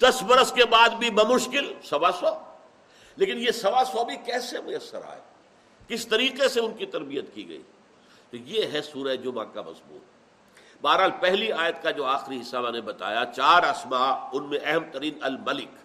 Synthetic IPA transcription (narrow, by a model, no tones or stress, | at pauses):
d̪̥ɐsbɐɾəskebaːd̪bʱimɐ̃mʊʃkɪlsɐbasɔː | leːkɪnjesɐʋasɔːbʱikɛːsemʊjɐsːə̰ɾa̰ːɛ̰ː | kɪst̪ɐɾiːqeseʊnkit̪ɐɾbijət̪kḭɡɐ̰ḭ | t̪ojeɦɛsuːɾaed͡ʒoːmã̰ːka̰mɐ̰zbṵːt̪ | baːɾɦaːlpɛɦliaːjət̪kad͡ʒoːaːxɪɾiɦɪsaːbãːnebɐt̪a̰ːjat͡ʃaːɾɐsmaːʊnmẽʔɛɦɛmt̪ɐɾiːnɐlmɐlɪk